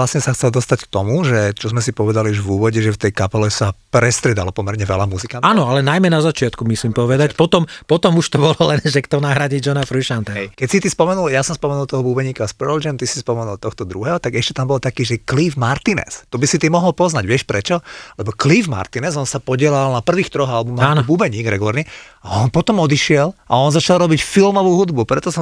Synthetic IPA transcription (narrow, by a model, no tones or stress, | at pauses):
lasɲɛsaxt͡sɛld̪ɔst̪ack̚t̪ɔmuʒɛt͡ʃɔzmɛsipɔʋɛd̪aliuʒʋuːʋɔɟɛʒɛft̪ɛjkapɛlɛsapɾɛst̪ɾiɛd̪alɔpɔmɛɾɲɛʋɛ̰lamuzikaanɔalɛnajmɛnazat͡ʃɪat̪kumisimpɔʋɛd̪acpɔt̪ɔmpɔt̪ɔmuʃt̪ɔbɔlɔlɛnʒɛkt̪ɔnaɦɾaɟid͡ʒɔnafɾiʃant̪ɛkɛcsit̪ispɔmɛnuljasɔmspɔmɛnulˠt̪ɔɦɔbuːbɛɲiːkaspɛɾɔld͡ʒɛnt̪isi̥spɔmɛnulˠt̪ɔxt̪ɔd̪ɾuɦɛɦɔt̪aɡɛʃcɛt̪ambɔlt̪akiːʒɛklifmaɾt̪inɛ̰st̪ɔbisit̪imɔɦɔlpɔznaɟʋɪɛʃpɾɛt͡ʃɔlɛbɔklivma̰ɾt̪inɛzɔnsapɔɟɪɛlalnapr̩ʋiːxt̪ɾɔɣalbumɔaːnɔbuːbɛɲiːɡɾɛ̰ɡulaːɾɲiaɔnpɔt̪ɔmɔd̪iʃɪɛlʔa̰ɔnzat͡ʃalɾɔbicfilmɔʋuːɦud̪bupɾɛt̪ɔsɔ